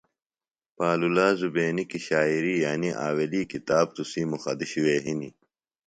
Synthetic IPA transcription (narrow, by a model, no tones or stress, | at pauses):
paːlulaːzubeːnikiɕaːiɾiːjaːniʔa̰ːweliːkit̪aːb̚t̪usimuxɐ̰d̪iɕiweːɦinḭ